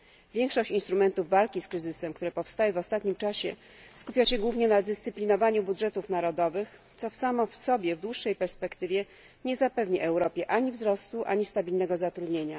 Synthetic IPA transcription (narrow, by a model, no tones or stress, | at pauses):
vʲjɛŋkʂɔɕt͡ɕinst̪ɾumɛnt̪uvːalkʲiskɾɘzɘsɛmkt̪uɾɛpɔfst̪awɘvɔst̪at̪ɲimt͡ʂaɕɛ̰ | skupʲjaɕɛɡwuvɲɛnad̪ɘst̪sɘplʲinɔvaɲubudʐɛt̪ufnaɾɔd̪ɔvɘxt̪sɔfsamɔfsɔbʲjɛvd̪wuʂːɛjpɛɾspɛkt̪ɘvʲjɛ | ɲɛzapɛvɲiʔɛwɾɔpʲjɛʔaɲivzɾɔst̪uʔa̰ɲist̪abʲilnɛɡɔzat̪ɾud̪ɲeɲa